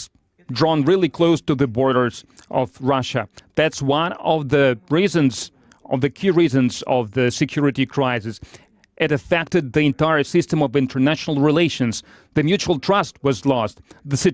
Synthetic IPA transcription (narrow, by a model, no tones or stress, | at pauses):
dɹɔ̃nɹɪlˠikʰl̥oʊstɨðɨbɔɹɾə˞z̥ʔʌ̰vɹʌʃɨðætswʌ̃nʌvðɨɹizɨ̃nz | ʌ̰vðɨkʰiɹizɨ̃nzʌvðɨsɨkʰj̥ʊɹɨɾikʰɹ̥aɪsɨs | ʔɨɾɨfɛk̚tɨd̪̚ðiɨ̃ntaɪə˞sɪstə̃mʌvɪ̃ntʰə˞næʃnl̩ˠɹileɪʃɨ̃nz | ðɨmjʉt͡ʃul̩ˠtʰɹ̥ʌst̚wʌzlɔstðɨsɪ